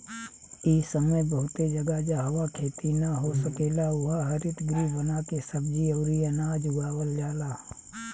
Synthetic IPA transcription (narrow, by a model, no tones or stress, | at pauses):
isəməjbəɦʊt̪ed͡ʒɐɡad͡ʒaɦɐwakʰeːt̪inaɦosəkeːlaʊɦaɦɐɾɪt̪ɡɾibɐnakesɐbd͡ʒiɔːɾiɐnaːd͡ʒʊɡaːwəld͡ʒaːlaː